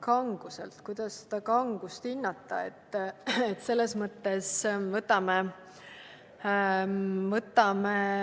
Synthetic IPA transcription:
kɑŋɡ̥usḛlt̪kujd̪̥ɑsse̥d̪̥ɑkɑŋɡ̥ust̪hinːɑt̪ːˑɑ̰e̞̰t̪ːet̪se̞lːe̞smɤt̪ːe̞svɤt̪ːˑɑme | vɤt̪ːˑɑme

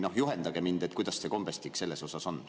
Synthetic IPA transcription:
no̞hjuɦend̪ɑɡ̥e̞mind̪̥et̪̚kujd̪̥ɑsseko̞mb̥est̪ikse̞lːe̞so̞sɑso̞n

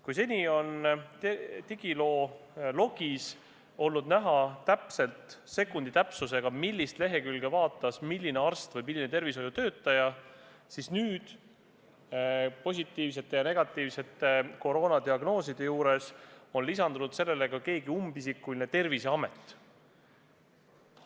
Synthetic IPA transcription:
kujse̞nʲio̞nt̪t̪iɡ̥ilo̞ːlo̞ɡ̥is | o̞lnud̪næɦɑt̪æpse̞lt̪se̞kːˑund̪it̪æpsus̬e̞ɡ̥ɑmilʲːist̪le̞ɦe̞kylɡe̞vɑːt̪ːˑɑsmilːineɑrst̪vɤjmilːinet̪e̞rviso̞jut̪øːt̪ˑːɑjɑ | sisnyːd̪̥ | po̞s̬ʲit̪ːˑiːvs̬e̞t̪ːˑe̞jɑne̞ɡ̥ɑt̪ːˑiːvse̞t̪ːe̞ko̞ɾo̞ːnɑd̪iɑɡno̞ːsid̪̥e̞juːɾe̞so̞nlisɑnd̪unud̪se̞lːe̞le̞ɡɑke̞ːɡiumbisikˑːuline̞t̪e̞rviseɑme̞t̪ːˑ

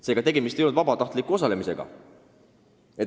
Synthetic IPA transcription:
se̞ːɡ̥ɑt̪e̞ɡe̞mist̪ejonud̪vɑbɑt̪ɑht̪likːˑuo̞s̬ɑle̞mise̞ɡ̥ɑ̰ | e

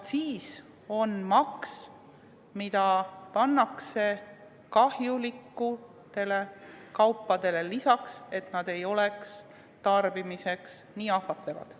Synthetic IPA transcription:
siːs | o̞nmɑks | mid̪̥ɑpɑnːɑkse̞ | kɑhjulikːu | t̪e̞le̞kɑwpːɑd̪̥e̞le̞lisɑkse̞t̪nɑd̪̥e̞jo̞le̞ks | t̪ɑrb̥imise̞ks | niːɑhvɑt̪levɑ̰d̪̥

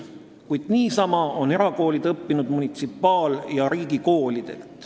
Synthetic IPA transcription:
kujd̪̥niːsɑmɑo̞ne̞ɾɑko̞ːlid̪̥ɤpːinud̪̥munit̪sipːˑɑːljɑɾiːɡiko̞ːlid̪̥e̞̰lt̪ˑ

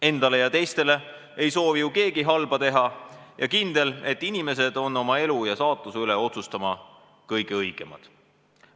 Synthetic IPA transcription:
e̞nd̪̥ɑle̞jɑt̪e̞jst̪e̞le̞ | ejso̞ːvijuke̞ːɡ̥iɦɑlb̥ɑt̪e̞ɦɑ | jʔɑkind̪̥e̞le̞t̪ːˑinime̞s̬e̞d̪̥o̞nːo̞mɑe̞lujɑsɑːt̪ˑːuseyleo̞t̪sust̪ɑmɑ | kɤjɡ̥eɤjɡ̥e̞̰mɑ̰d̪̥

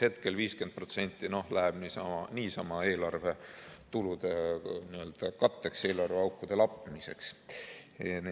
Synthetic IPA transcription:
he̞t̪ke̞lviːske̞nd̪̥̚pro̞t̪se̞nʲt̪ːˑino̞hlæɦeb̥nisɑɑniːsɑmɑe̞ːlɑrve̞t̪ulud̪̥eniø̞ld̪̥ɑkɑt̪ːe̞kse̞ːlɑrveɑwkːˑud̪̥e̞lɑpːˑmise̞ks | n

